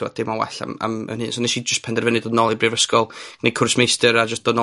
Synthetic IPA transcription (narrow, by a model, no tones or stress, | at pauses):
ɔ̰d̥ɪmɔwɛ̰ɬa̰ma̰mə̰nhɨnsonɛʃid͡ʒəstpʰɛndɛrvənɨdɔdnɔlˠibrivəskɔlˠɡ̥nejkʰʊrsmejstɨɾad͡ʒəstd̥ɔdnɔ